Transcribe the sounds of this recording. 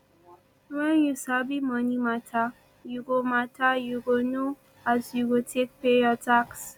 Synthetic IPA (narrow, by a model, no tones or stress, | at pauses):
wɛ̃njusabimɔnimatʰa | juɡomatʰajuɡono | azjuɡotʰek̚peɔtʰaks